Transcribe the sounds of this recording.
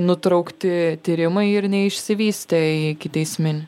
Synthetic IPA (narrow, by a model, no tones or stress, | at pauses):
nʊt̪ɾɐʊkt̪ʲɪt̪ʲiːɾʲɪmɐɪɪɾnʲɛɪʃʲsʲɪʋʲiːsʲt̪ʲeikʲɪt̪ʲɛɪsʲmʲɪnʲ